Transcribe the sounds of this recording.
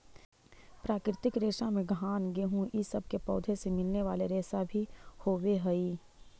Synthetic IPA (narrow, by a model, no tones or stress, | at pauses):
pɾaːkɾɪt̪ɪkɾeːʃãmẽɡʱaːnɡeɦũʔisɐb̚ʱkepɔːd̪ʱesemɪlneʋaːleɾeːsabʱihoːweɦɛi